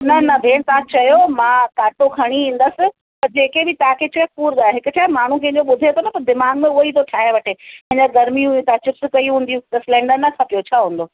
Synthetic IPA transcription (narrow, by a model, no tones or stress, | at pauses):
nɐnɐbʱeːɽ̃t̪ɐãt͡ɕɐjomãːkaːʈokʰɐɽ̃iĩːn̆d̪əsɪ̆ | pɐɾd͡ʑeːkebɪt̪ɐɦãkʰet͡ɕɐokuːɾɗ̪aːeɦɪkʊt͡ɕʰaːmaːɳ̤ũkʰẽd͡ʑoɓʊd̪ʱet̪ʰonɐpɐɾd̪ɪmaːɡmẽʊit̪ʰoʈʰaːɦẽʋɐʈepɐ̃ɦɪ̃ɲd͡ʑaɡɐɾmiũjũt̪at͡ɕɪpskɐiɦũːnd̪ijũt̪ɐsɪlɛ̃ːɳɖəɾnɐkʰaːpijot͡ɕʰaːɦũːn̆d̪oː